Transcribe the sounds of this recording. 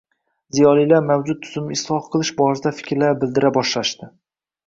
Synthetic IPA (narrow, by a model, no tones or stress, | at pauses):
zijɒlˠijlaɾmawd͡ʒʊd̪̚ʰʊzʊmɪslɒhqʰɨlˠɪʃbɒɾsd̪afɪ̥kʲʰɾlaɾbɪld̪ɪɾabɒʃlaʃt̪ɪ